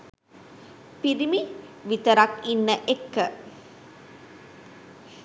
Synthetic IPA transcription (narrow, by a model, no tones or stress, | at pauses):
piɾimiʋit̪əɾakinːəʔekːə